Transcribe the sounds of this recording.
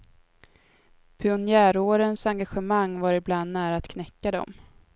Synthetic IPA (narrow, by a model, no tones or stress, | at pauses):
pʰɪʊnjæːɾoːɾənsaŋɡaɧɛmaŋːvaɾɪbland̪næːɾaːt̪kʰnɛkːad̪ɔ̰m